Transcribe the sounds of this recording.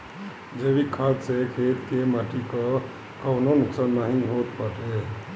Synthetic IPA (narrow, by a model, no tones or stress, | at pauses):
d͡ʒeʋikʰat̪sekʰet̪kemaʈikə | kəwnonʊksaːnmaɦĩɦot̪pəʈe